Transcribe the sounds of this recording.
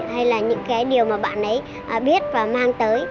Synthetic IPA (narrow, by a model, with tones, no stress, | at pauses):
ha˧jlaː˨˩ɲɨ̰˧˥ŋkaː˨˦jɗi˨˩əwmaː˨˩ɓa̰ː˧˨nʔə˨˦j | ʔːɓi˦˥ət̚vaː˨˩maː˧ŋt̪əː˨˦j